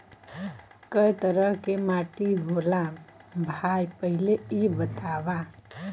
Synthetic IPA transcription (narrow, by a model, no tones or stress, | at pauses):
kəjt̪əɾəɦkemaʈiɦolã | bʱajpəɦileibət̪aʋã